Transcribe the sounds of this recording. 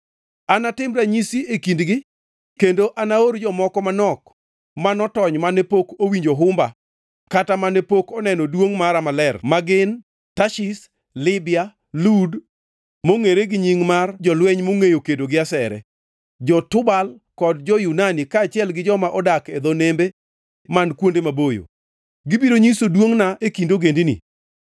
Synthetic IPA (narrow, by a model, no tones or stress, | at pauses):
anatɪmɾaɲisiekindɡɪ | kendoʔanaoɾd͡ʒɔmɔkɔmanɔk | manɔtɔɲmanepokowiɲd͡ʒoɦʊmba | katamanepokɔnɛnɔdwoŋmaɾamalɛrmaɡɪn | taʃis | lɪbɪa | lud | moŋeɾeɡɪɲiŋmard͡ʒɔlwɛɲmoŋejokedoɡɪasɛɾɛ̰ | d͡ʒɔtʊbal | kɔd̚d͡ʒɔjunanikaːt͡ʃɪɛlɡɪd͡ʒɔmaʔɔdaked̪ɔnembe | mankwondemabojo̰ | ɡɪbiɾoɲisodwoŋnaʔekindoɡendinḭ